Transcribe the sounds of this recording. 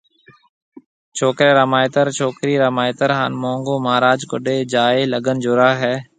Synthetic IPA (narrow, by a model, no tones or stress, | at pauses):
t͡ʃʰoːkɾeːɾəmaːjɪt̪əɾt͡ʃʰoːkɾiːɾəmaːjɪt̪əɾɦaːnmõːŋɡoːmaːɾaːd͡ʒkʊ̰ɗeːd͡ʒaːeːləɡənd͡ʒʊɾaːɦɛː